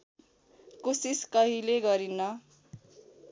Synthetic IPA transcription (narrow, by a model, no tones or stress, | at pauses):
kosiskʌɦileɡʌɾinːʌ